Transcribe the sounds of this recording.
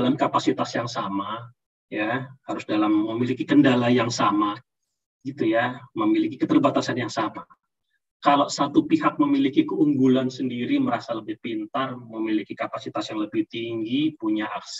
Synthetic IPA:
lamkapasit̪asjaŋsama | jahaɾʊsdalamːəmilikikəndalajaŋsama | ɡit̪ujaməmilikikət̪ərbat̪asanjaŋsama | kalosat̪upiɦak̚məmilikikəuŋɡulansəndiɾiməɾasaləbɪhpint̪arməmilikikapasit̪asjaŋləbɪht̪iŋɡipuɲaʔaks

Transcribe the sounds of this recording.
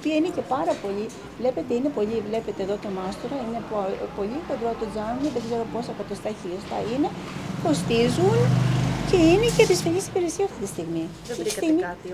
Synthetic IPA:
piɐinece̞pɐɾɐpo̞ʎi | vle̞pe̞t̪eine̞po̞ʎivle̞pet̪eːðo̞t̪omɐst̪oɾɐine̞ppo̞ʎipod̪ɾot̪od͡zɐnmiðeɡze̞ɾo̞po̞sɐkɐt̪ost̪ɐçiost̪ɐ̰ine̞ | ko̞st̪izunce̞inecepisfelisi̥beɾesiɐft̪it̪ist̪iɣmi | e̥st̪imi

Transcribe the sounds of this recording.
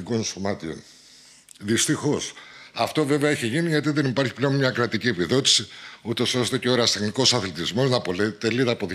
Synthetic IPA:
ɡo̞nsomɐt̪io̰n | ðist̪ixo̞sɐft̪o̞ve̞veɐeçeʝiniʝɐt̪iðenipɐɾçi̥ple̞o̞nmɲɐkɾɐt̪iciepiðo̞t̪i̥siut̪o̞so̞st̪e̞ceo̞ɾɐst̪exniko̞sɐθelit̪izmo̞znɐpo̞let̪eliðɐːpo̞ð

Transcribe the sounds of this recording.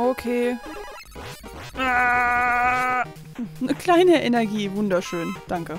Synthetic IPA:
ʔokʰeː | a | nəkl̥aɪnəʔɛnɛɐɡiːvʊndɐʃøːnd̥aŋkə

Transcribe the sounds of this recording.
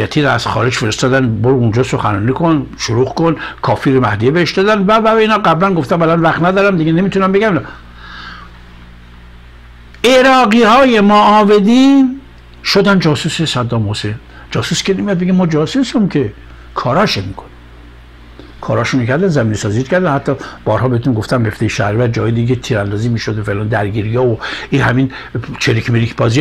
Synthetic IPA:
jæt̪ʰiːɾæz̥xɒ̰ːɾed͡ʒfeɾest̪ɒːd̪ænboɾund͡ʒɒːsoxæ̰ɾɒ̰ːnikʰon | ʃoɾuːxkonkʰɒːfiɾomæhd̪ijebeeʃd̪ɒːd̪ænvævæbeiːnhɑːɡæblænɡo̞ft̪æmbælɒnvæχt̪næd̪ɒːɾæmd̪iɡenemiːt̪ʰunæmbe̞ɡæmin | eɾɒːɡiːhɒːje̞mɔːved̪iːn | ʃod̪ænd͡ʒɒːsusesæd̪ːɒːmhosen | d͡ʒɒːsuskʰenemijɒd̪̚beɡemɒːd͡ʒɒːsusumkʰe | kʰɒːɾɒːʃemikʰo̥ne | kʰɒːɾɒːʃunekʰæɾd̪ænzæmiːnesɒːzit̪cʰæɾd̪ænhæt̪ʰːɒːb̥ɒːɾhɒːbehet̪unɡoft̪æmbeft̪ejeʃæɾvæɾd͡ʒɒːɑjed̪iɡet̪ʰiːɾænd̪ɒːziːmiːʃod̪efelɒːnd̪æɾɡiːɾijɑːoiɦæmiːn | t͡ʃʰeɾikʰmeɾikʰbɒːzi

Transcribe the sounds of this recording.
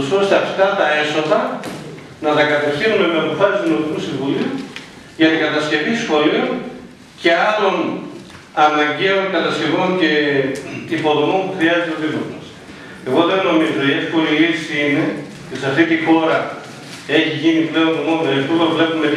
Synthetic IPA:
so̞st̪eɐft̪ɐt̪ɐe̞so̞ðɐ | nɐt̪ɐkɐt̪efθinume̞meɐpo̞fɐsizðino̞mikusiɱvuliu | ʝɐnɐɡɐt̪ɐsce̞visxo̞lion | ce̞ɐlo̞n | ɐnɐɲɟe̞o̞nkɐt̪ɐsce̞vo̞nce̞ | ipo̞ðomo̞mpuxɾiɐzet̪eoðivozmɐs | e̞ɣo̞ðe̞no̞mizo̞iesko̞lilisine̞ | t̪isɐft̪it̪ixo̞ɾɐ | e̞çiʝiniple̞ontomoneispuvevle̞pume

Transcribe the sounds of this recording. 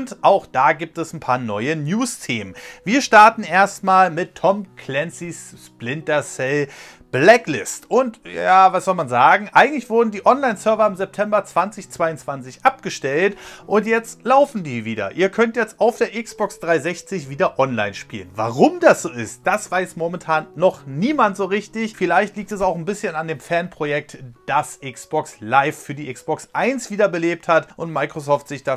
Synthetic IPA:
ntʔaʊxd̥aːɡiːp̚tɛsn̩pʰaːɐnɔʏənjuːstʰeːmənviːɐʃtaɐtn̩ʔeːɐstmaːlmɪtʰːɔmkʰlɛnsissplɪntɐsɛl | b̥lɛklɪstʔʊntjjaːvasz̥ɔlmanzaːɡŋ̩ʔaɪɡŋ̩tlɪçv̥ʊɐdn̩diːʔɔnlaɪnt͡sœɐvɐɪmzɛp̚tʰɛmbɐt͡sv̥ant͡sɪçt͡sv̥aɪʊnt͡sv̥ant͡sɪçʔap̚ɡ̥əʃtɛltʔʊntjɛt͡stlaʊfn̩diːviːdɐ̰ʔiːɐkʰœntjɛt͡staʊfd̥eːɐʔɪksb̥ɔksd̥ʁaɪzɛçt͡sɪçv̥iːdɐʔɔnla̰ɪnʃpḭːlənva̰ːʁʊmdasz̥oːɪ̰st̚d̥asv̥aɪsmomɛntʰaːnːɔχniːmantz̥oːʁɪçtɪçfɪlaɪçtliːk̚tɛsaʊxn̩bɪsçənandeːmfɛɐnpʁ̥ojɛk̚td̥asʔɪksb̥ɔkslaɪffyːɐdiːʔɪksb̥ɔksʔaɪnsv̥iːdɐbəleːp̚thatʔʊntmaɪkʁ̥osɔːftz̥ɪçd̥aː

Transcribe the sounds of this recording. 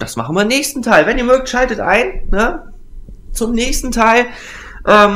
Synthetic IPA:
d̥asma̰χn̩viːɐnɛːçstn̩tʰaɪlvɛniːɐmøːk̚tʃaltətʔa̰ɪnnə | t͡sʊmnɛːçstn̩tʰaɪl | ʔɛːm

